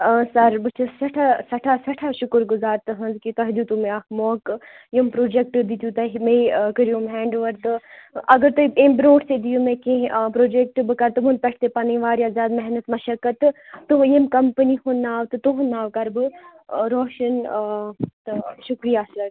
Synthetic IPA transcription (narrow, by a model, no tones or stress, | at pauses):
sɐɾbɨt͡ʃʰɐsɐʈʰasɐʈʰasɐʈʰaːʃʊkəɾɡʊzaːɾt̪ɨɦɐ̃nzkit̪ɐɦd̪ut̪umeakmoːk | jɐmpɾoːd͡ʒek̚ʈd̪it̪ʲjut̪ɐɦimekəɾijõːmɦɛːɳɖʋɐɾt̪ɨʔɐɡəɾt̪ueːmbɾoːʈʰsed̪ijumẽkẽpɾoːd͡ʒek̚ʈbɨkɐɾt̪umũnp̪ɐʈʰt̪epɐnĩʋaːɾjazʲaːd̪mɛɦnət̪mɐʃɐkət̪t̪ːujɐmkɐmpənihʊnːaːʋt̪ɨt̪uɦnːaːʋkɐɾbɨɾɔːʃɐn | t̪ɐʃʊkɾijaːsɐɾ